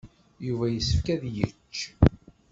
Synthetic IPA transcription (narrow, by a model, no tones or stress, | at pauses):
juvæjəsːəfkæðjət͡ʃː